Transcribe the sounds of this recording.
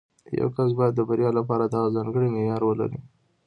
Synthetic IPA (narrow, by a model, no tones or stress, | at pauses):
ja̰wkas̬bɑjad̪ːəbaɾjɑlapɑɾad̪ɑɣazɑŋɡəɽimejɑɾwəla̰ɾḭ